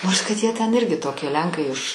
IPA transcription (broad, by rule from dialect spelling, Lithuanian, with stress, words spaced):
ˈnoːrs kɐt ˈjiɛ tʲɛn ˈɪrʲɡʲɪ ˈtoːkʲiɛ ˈlʲɛŋkɐɪ ɪʃ